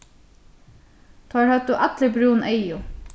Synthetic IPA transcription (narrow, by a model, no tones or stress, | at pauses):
t̪ʰɑːɾhœt̪uːʔɑt̪lɪbɾuːnʔœɪʊ